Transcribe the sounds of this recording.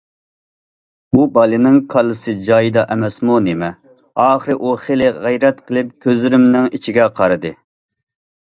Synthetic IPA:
bubɑlˠɨnɨŋkʰɑlˠːɨsɨd͡ʒɑjɨd̪ɑʔɛmɛsmunemɛ | ɑːχəɾɨʔuχelɪʁæjɾɛt̪qʰəlˠɪp̚kʲʰøzlɪɾɪmnɪŋit͡ʃʰiɡʲɛqʰɑɾɨd̪ɨ

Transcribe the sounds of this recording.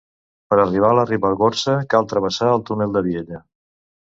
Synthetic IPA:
pəɾəriβ̞aləriβəlˠɣoɾsəkalˠt̪ɾəβəsaəlˠt̪unelˠd̪əβieʎə

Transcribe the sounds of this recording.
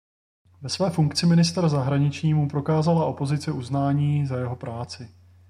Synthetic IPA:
vɛsvɛːfuŋkt͡sɪmɪnɪst̪ɾzaɦɾaɲɪt͡ʃɲiːmupɾo̞kaːzalaʔo̞po̞zɪt͡sɪʔuznaːɲiːzajɛɦo̞pɾaːt͡sɪ

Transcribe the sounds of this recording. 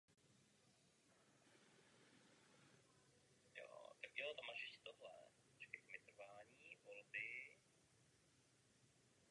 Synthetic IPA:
jo̰ːt̪akjoːt̪amaʃɪtt̪oɦlɛ̰ | t͡ʃkɛkmɪt̪r̩vaːɲiːvolbɪ

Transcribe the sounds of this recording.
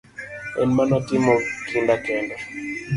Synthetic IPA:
ɛ̰nmanatimɔkindakɛnda

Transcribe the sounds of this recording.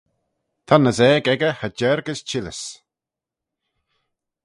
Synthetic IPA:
t̪ʰanəzɛːɡɛɡəhəd͡ʒɛɹɡəst͡ʃʰɪləs

